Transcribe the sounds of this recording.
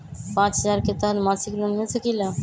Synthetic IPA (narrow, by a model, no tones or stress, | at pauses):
pãt͡ɕd͡ʑaɾket̪aɾmãt͡ɕʰiklomɦit̪ʰakila